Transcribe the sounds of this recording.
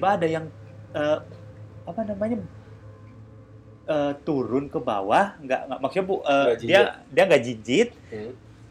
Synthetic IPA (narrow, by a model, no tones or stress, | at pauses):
baːdajaŋ | əː | apanamaɲa | əːt̪uɾʊnkəba̰wahŋɡa̰ʔŋɡaʔmaksuɲapuʔəːdiadiaŋɡaʔd͡ʒiɲd͡ʒɪt̪̚